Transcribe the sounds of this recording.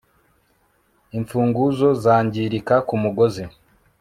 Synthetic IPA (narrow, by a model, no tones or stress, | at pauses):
iɱfuːŋɡuzo̞zaːɲɟiɾikakumuɡozi